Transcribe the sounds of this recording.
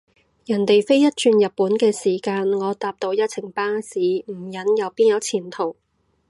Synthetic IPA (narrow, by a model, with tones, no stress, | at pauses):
jɐ˨˩nt̪e˨jfe˥jjɐ˥t̚t͡ʃyː˧njɐ˨t̚pːuː˨˥nkɛː˧siː˨˩kaː˧nŋɔː˨˧t̪aː˧p̚t̪o˧wjɐ˥t̚t͡sʰɪ˨˩ŋpaː˥ŋsiː˨˥m̩˨˩jɐ˨˥njɐ˨˧wpiː˥njɐ˨˧˥wt͡sʰiː˨˩nt̪ʰo˨˩w